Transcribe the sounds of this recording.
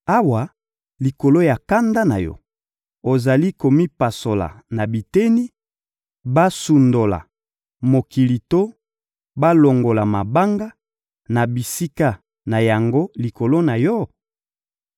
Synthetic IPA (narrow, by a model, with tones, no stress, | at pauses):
a˦wa˨ | li˨ko˨lo˦ja˨ka˦nda˦na˨jɔ̰˦ | o˨za˨li˦ko˨mi˦pa˨so˨la̰˨na˨bi˨te˦ni˦ | ba˦su˨ndo˨la̰˨ | mo˨ki˨li˨to˦ | ba˦lo˨ŋɡo˨la˨ma˨ba˦ŋɡa˦ | na˨bi˨si˦ka˦ | na˨ja˨ŋɡo˦li˨ko˨lo˦na˨jɔ˦